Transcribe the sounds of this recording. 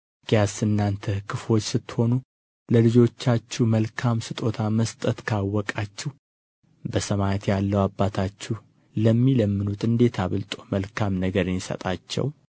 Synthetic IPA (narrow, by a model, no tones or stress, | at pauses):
ɡ̥jasɨnːant̪ʰəkʰɨfwot͡ʃːsɨt̪ːho̞nu | ləlɨd͡ʒo̞t͡ʃːat͡ʃːuməlkʰamsɨt̪ʼo̞t̪ʰaməst̪ʼət̪kʰawːɔkʼat͡ʃːɪh | bəsəmajt̪jalːəwabːat̪ʰat͡ʃːuh | ləmːiləmːɨnut̪ʼɨnd̪e̞t̪ʰaβəlt̪ʼoməlkʰamnəɡəɾɨnjɪsə̰t̪ʼat͡ʃːɛ̰w